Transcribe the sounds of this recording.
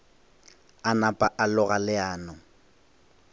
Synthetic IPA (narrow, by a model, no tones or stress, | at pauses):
anapʼaʔalʊɣalɪaːnɔ